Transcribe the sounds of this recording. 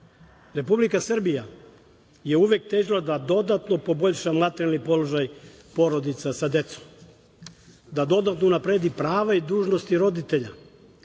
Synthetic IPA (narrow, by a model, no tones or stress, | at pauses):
ɾe̞publikasr̩bija | je̞uʋek̚t̪eːʒlˠad̪ad̪o̞d̪at̪no̞po̞bo̞ʎʃamlˠat̪eɾalnipo̞loʒaj | po̞ɾod̪it̪sasad̪e̞t̪so̥m | d̪ad̪o̞d̪at̪nounapɾeːd̪ipɾaːʋaid̪uːʒnost̪iɾo̞d̪it̪e̞ʎa